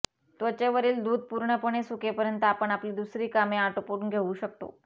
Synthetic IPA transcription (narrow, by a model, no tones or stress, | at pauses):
t̪ʋət͡ɕeʋəɾiːld̪uːd̪̚puɾɳəpəɳ̃esukepəɾjənt̪əapəɳapliːd̪usɾiːkameaʈopuɾunɡʱeʋuɕək̚t̪o̰